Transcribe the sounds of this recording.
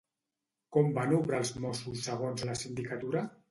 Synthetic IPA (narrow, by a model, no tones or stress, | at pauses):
kɔmbanuβɾəlˠzmɔsusːəɣ̞onzləsind̪ikət̪uɾa